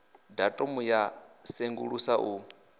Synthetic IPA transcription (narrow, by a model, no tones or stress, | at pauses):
datʼomujaseŋɡṵɺusaʔu